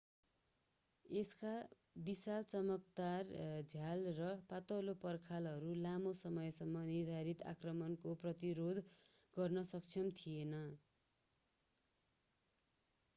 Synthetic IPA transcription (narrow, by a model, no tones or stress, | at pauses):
eska | bisalt͡sʌmʌk̚d̪ard͡zʱjalrʌpat̪ʌlopʌrkʰalɦʌɾulamosʌmʌjsʌmːʌnird̪ʱaɾit̪a̰krʌmʌnkoprʌt̪iɾod̪ʱ | ɡʌrnʌsʌk̚t͡sʰʌmt̪ʰienʌ